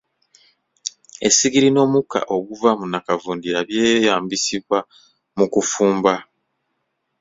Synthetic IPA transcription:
e̞̰siɡiɾino̞ːmuka̰ʔo̞ɡuvamunakavuːndiɾaβjeːjaːmbisiβwa | mukufuːmba

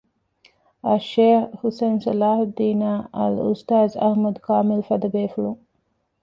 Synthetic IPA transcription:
ɐʃeːhhusensɐlaːhd̪iːnaːɐ̰lṵst̪aːzɐ̰hmɐd̪kaːmɪlfɐd̪ɐbeːfulu

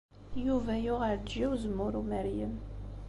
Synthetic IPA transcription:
juvæjʊʁəɾd͡ʒiwzəmːʊɾumæɾjəm

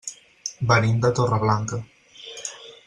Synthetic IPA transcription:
bəɾind̪ət̪orəβlaŋkə

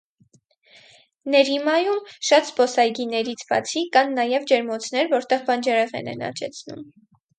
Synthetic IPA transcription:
nɛɾimɑjumʃɑt̪spɔsɑjɡinɛɾit͡sʰb̥ɑ̰t͡sʰikɑnːɑjɛvd͡ʒɛɾmɔt͡sʰn̪ɛɾvɔɾt̪ɛʁbɑnd͡ʒɛɾɛʁɛ̰nɛ̰nɑ̰t͡ʃɛ̰t͡sʰnṵm

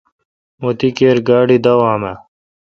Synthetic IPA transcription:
mot̪ikeːɾɡaːɖid̪ɐwaːma

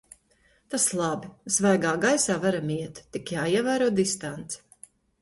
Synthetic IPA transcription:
t̪aslˠɑbiz̥vajɡaːɡajsaːvaɾamiɛt̪ːikjaːiɛvæːɾuɔd̪ist̪ant̪s

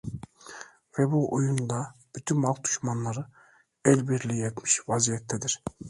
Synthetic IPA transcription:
vɛbuʔojund̪ab̥yt̪ʰynmalˠk̚d̪u̥ʃmanlˠaɾɯ | ɛlʲbiɾlʲijɛt̪miʃvazijɛt̪ʰːɛd̪iɾ̥

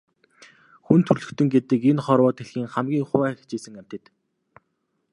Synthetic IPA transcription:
xunt̪ʰɵrɮɵ̆kt̪ʰɵ̆ŋɡet̪ɘ̆kenχɔɾwɔːt̪eɮxiːŋχamɡʲiːŋχʊæːxʰt͡ɕeːsɘ̆ŋæm̥ʲt̪ɘ̆t̪

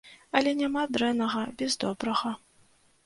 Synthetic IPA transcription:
ɐlʲɛnʲamad̪ɾɛnːɐʁɐbʲɛzd̪ɔbɾɐɣɐ

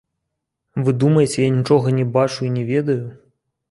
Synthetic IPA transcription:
vɨd̪umɐjet͡sʲɛjanʲit͡ʂɔɣɐnʲɛbat͡ʂuinʲɛvʲɛd̪ɐju

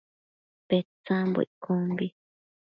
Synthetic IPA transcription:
pet͡sãmbo̰iʔkʰõmbi

